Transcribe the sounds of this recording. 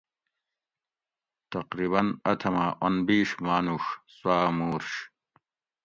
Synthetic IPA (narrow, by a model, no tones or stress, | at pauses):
t̪ɐqɾiːβɐnɐt̪ʰɐmaʔonbiːʂmaːnuʂswaːmuːɾɕ